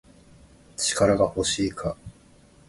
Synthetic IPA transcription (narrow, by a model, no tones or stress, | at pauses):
t͡ɕi̥kaɾaɡaho̞ɕiːkʰa